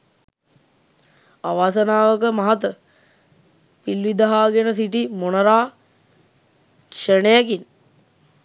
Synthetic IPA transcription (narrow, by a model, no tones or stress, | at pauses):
aʋaːsənaːʋəkəmaɦat̪ə | pilʋid̪aɦaːɡenəs̬iʈimonɐɾaː | ʃənejakin